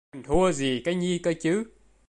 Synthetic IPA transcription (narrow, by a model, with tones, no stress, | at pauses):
ŋt̪ʰu˧əzi˨˩kaː˨˦jɲi˧kəː˧t͡ɕɨ˨˦